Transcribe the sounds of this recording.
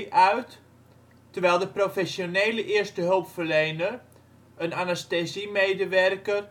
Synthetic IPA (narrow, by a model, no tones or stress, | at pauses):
ʔœɥt | tərʋɛjlˠdəprofɛsjoneːləʔɪərstəɦølˠpfərlejnər | ənanɛstesimeːdəʋɛrkər